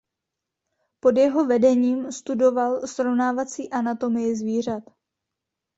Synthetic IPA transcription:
po̞djɛɦo̞vɛdɛɲiːmst̪udo̞valsɾovnaːvat͡siːʔanat̪o̞mɪjɪzviːr̝at̪

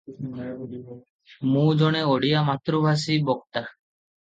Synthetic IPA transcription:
mũd͡ʒɔɽ̃eoɽijamat̪ɾubʱas̬ibɔk̚t̪a

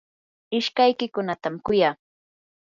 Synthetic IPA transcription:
ɪʃkajkɪkʊnat̪amkʊjaː

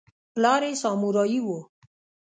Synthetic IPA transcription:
plaːɾesaːmuɾɔiwo

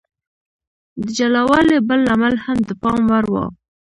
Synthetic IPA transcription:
d̪əd͡ʒalawɑlebəlamalhamd̪əpɑmwaɾwɑ̰

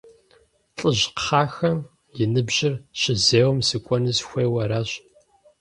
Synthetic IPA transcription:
ɬʼəʑqχaːxɐm | jɪnɨbʑɪrɕɪzeːwɐmsɨkʷʼɔnɨzxʷeːwɐɾaːɕ

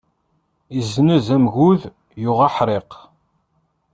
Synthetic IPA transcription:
izːnæzæmɣuð | jʊʁɑħɾˤeq

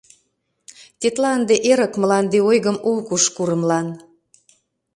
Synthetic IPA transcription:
t̪ʲet̪lɑənd̪eʔeɾəkməlɑnd̪eojɣəmulkuʃkuɾəmlɑn

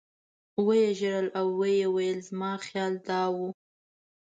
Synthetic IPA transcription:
wəjeʒəɾəlawːəjewajəlzmɑxjɑld̪ɑwu

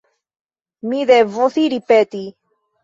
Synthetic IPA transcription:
miðevoθiɾipet̪i

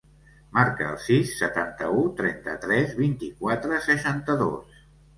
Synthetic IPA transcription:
maɾkəə̰lˠsisːət̪ant̪əut̪ɾɛnt̪ə̰t̪ɾɛzβint̪ikwat̪ɾəsəʃant̪əðo̰s

